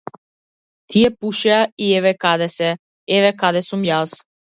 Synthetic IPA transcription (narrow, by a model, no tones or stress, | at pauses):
t̪ʰijɛpuʃɛaiɛvɛkad̪ɛsɛ | ɛvɛkad̪ɛsumjas